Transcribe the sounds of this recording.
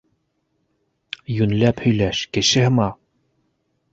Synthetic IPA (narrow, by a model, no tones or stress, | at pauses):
jʉnlæphɵ̆jlæʃkɘ̆ʃɘhɘ̆mɑ